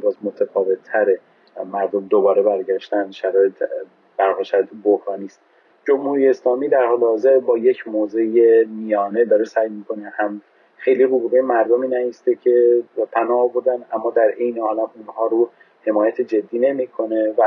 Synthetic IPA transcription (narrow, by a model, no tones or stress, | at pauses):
bɒːzmot̪ʰæfɒːve̞t̪ʰːæɾe | mæɾd̪omd̪obɒːɾe̞bæɾɟæʃt̪ænd̪ʃæɾɒːjet̪ | b̥æɾhɒlʃæet̪ʰebohɾɒːniːst̪ | d͡ʒo̞mhuːɾijeeslɒːmiːd̪æɾhɒːlehɒːze̞ɾbɒːje̞cʰmoːze̞jemijɒːned̪ɒːɾesæjmiːkʰo̞nehæm | xe̞jliɾubuɣejemæɾd̪omiːnæiːst̪e̞cʰe̞pʰænɒːboɾd̪ænæmːɒːd̪æɾʔe̞jneɒːlæmunhɒːɾu | he̞mɒːjæt̪ʰed͡ʒe̞d̪ːiːne̞miːkʰo̞ne̞væ